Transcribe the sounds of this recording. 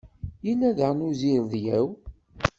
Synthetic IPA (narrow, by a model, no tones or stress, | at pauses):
jilːæðəʁnuziɾðjæw